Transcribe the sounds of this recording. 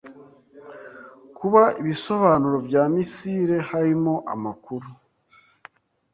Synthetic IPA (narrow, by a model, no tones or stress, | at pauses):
kuβaiβiso̞βaːnuɾo̞bjaːmisiːɾe̞haɾimo̞ʔa̰makuɾu